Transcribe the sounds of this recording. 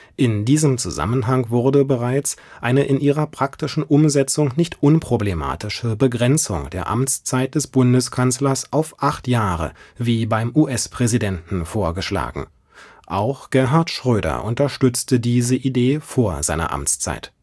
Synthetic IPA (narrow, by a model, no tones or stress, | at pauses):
ʔɪndiːzəmt͡suza̰mənɦaŋvʊɐdəbəʁaɪt͡sʔaɪnəʔɪnʔiːʁɐpʁ̥aktɪʃn̩ʔʊmzɛt͡sʊŋnɪçtʔʊnpʁ̥oblema̰ːtɪʃəbəɡʁɛnt͡sʊ̰ŋd̥eːɐʔa̰mt͡st͡saɪt̚d̥ɛsb̥ʊndəskʰanslɐsʔaʊfʔaχtjaːʁə̰viːbaɪmʔuʔɛspʁ̥ɛzidɛntn̩foːɐɡəʃla̰ːɡŋ̩ | ʔaʊxɡ̥ɛɐɦaɐtʃʁ̥øːɾɐ̰ʔʊntɐʃtʏt͡stədiːzəʔideːfoːɐzaɪnɐ̰ʔa̰mt͡st͡sa̰ɪt